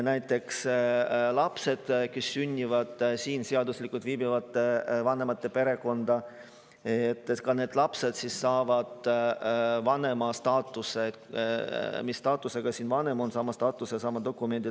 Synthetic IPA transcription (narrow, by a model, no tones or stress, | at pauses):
næjt̪ˑːe̞ks | lɑpse̞d̪̥kesːynʲːivɑd̪̥siːnseɑd̪uslikːult̪viːbivɑt̪ːevɑne̞mɑt̪ːe̞pe̞ɾe̞ko̞nd̪̥ɑ | et̪ːˑkɑne̞ːd̪̥lɑpse̞d̪̥sisːɑːvɑd̪̥ | vɑne̞mɑst̪ɑːt̪ːˑuse | misːt̪ɑːt̪ːˑuseɡ̥ɑsiːnvɑne̞mo̞nsɑmɑst̪ɑːt̪ːˑusesɑmɑd̪o̞kːume̞nʲd̪̥i